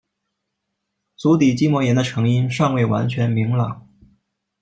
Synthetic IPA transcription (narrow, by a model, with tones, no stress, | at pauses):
t͡su˧˥t̪i˨˩t͡ɕi˥mwɔ˧˥jɛ˧˥nd̪ə˧ʈ͡ʂʰɤ˧˥ŋi˥nʂɑ˥˧ŋwe˥˩ɪwa̰˧˥nt͡ɕʰɥɛ˧˥nmi˧˥ŋlɑ̰˨˩˦ŋ